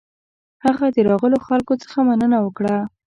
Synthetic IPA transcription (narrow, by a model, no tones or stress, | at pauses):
haɣad̪əɾɑɣəloxalkot͡sə̥xamanənawəkɽa